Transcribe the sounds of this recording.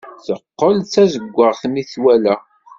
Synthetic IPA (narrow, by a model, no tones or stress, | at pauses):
θəqːəlt͡sːæzəɡʷːəʁθmiθwælæ